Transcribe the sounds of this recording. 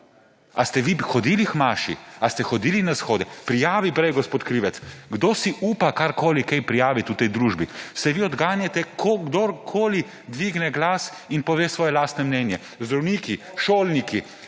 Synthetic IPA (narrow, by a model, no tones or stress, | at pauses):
ast̪ɛʋixɔd̪iːlixmaːʃḭast̪ɛxɔd̪iːlinasxoːd̪ɛpɾijaːʋipɾɛjɡɔspoːt̪kɾiːʋɛt̪sɡd̪oːsiʔuːpakaɾkoːlikɛjpɾijaːʋit̪ut̪ɛjd̪ɾuːʒbisɛʋiːɔd̪ɡaːnjat̪ɛkʰoɡd̪oɾkʰoːli | d̪ʋiːɡnɛɡlaːs | inpɔʋeːsʋɔːjɛlaːst̪nɛmnɛːnjɛ | zd̪ɾɔwniːki | ʃoːlniki